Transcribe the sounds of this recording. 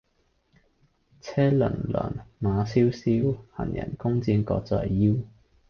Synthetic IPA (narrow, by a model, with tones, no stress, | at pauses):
t͡sʰɛː˥lə̰˨˩nlœ̰ː˨˩nmaː˨˧siː˥wsiː˥whɐ˨˩njɐ̰˨˩nkʊ˥ŋt͡siː˧nkɔː˧k̚t͡sɔ̰ː˧˩jːiː˥w